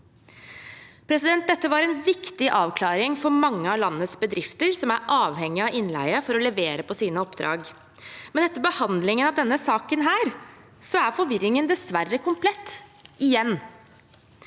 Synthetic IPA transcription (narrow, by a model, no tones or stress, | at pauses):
pʰɾɛsɪd̪ɛnt̪̚d̪ɛt̪ːəʋɑɾɛnʋɪkt̪ɪʔɑːʋkʰlɑːɾɪŋfɔɾmɑŋːəɑlɑnːəsbəd̪ɾɪft̪əɾsɔmæɾʔɑːʋhɛŋːɪɑʔɪnlæ̰ɪəfɔɾɔlɛʋeːɾəpʰɔsiːnəɔpd̪ɾɑ̰ːɡ | mɛnɛt̪ːəɾbəhɑnd̪lɪŋənɑʋd̪ɛnːəsɑːkənɦæːɾ | sɔæɾfɔɾʋɪɾːɪŋənd̪ɛsʋærːəkʰʊmpʰlɛt̪ːʔɪjɛnː